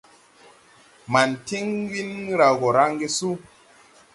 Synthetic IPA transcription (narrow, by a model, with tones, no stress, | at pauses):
ma˨nti˦ŋ˦ɡi˦n˦ɾa˨ɣo˨ɾa˦ŋ˦ɡe˦su˦